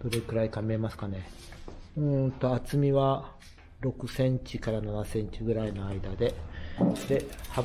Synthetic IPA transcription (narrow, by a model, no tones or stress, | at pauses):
d̪̥o̞ɾe̞kɯ̟ɾaikamemasɨ̥kane̞ | ɯ̃t̪o̞at͡sɨmʲiβa | ɾo̞kɯ̟sẽ̞ɲ̟t͡ɕikaɾananasẽ̞ɲ̟t͡ɕiɡɯ̟ɾaino̞aid̪ad̪e̞ | d̪̥e̞hab